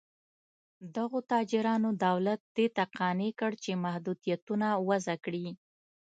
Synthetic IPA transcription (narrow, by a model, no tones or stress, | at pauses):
d̪aɣot̪ɑd͡ʒɪɾɑnod̪awlat̪̚d̪et̪aqɑnekəɽt͡ʃemahd̪ud̪ijat̪unawazakɽi